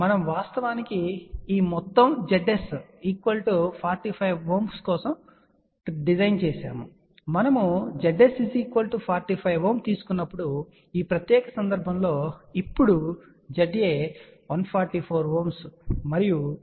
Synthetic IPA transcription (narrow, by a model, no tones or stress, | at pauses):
mɐnɐmʋaːst̪ɐʋaːnikiiːmɔt̪ːɐmd͡ʒeɖesiːkʋɐlʈupʰaːɾʈipʰɐjʋɦoːmskɔːsɐm | ɖid͡ʒɐjnt͡ʃɛːsa̰ːmṵ | mɐnɐmud͡ʒeɖesisiːkʋɐlʈupʰaːɾʈipʰɐjʋɦoːmt̪iːsu̥kunːɐpːuɽu | iːpɾɐt̪jɛːkɐsɐnd̪ɐɾbʱɐmlo̞ːipːuɽu | d͡ʒɐɖjeːʋɐnpʰaːɾʈipʰoːɾɦoːmsmɐɾiju